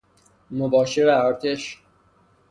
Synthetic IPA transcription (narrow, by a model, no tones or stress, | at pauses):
mobɒːʃeɾæɒːɾt̪ʰeʃ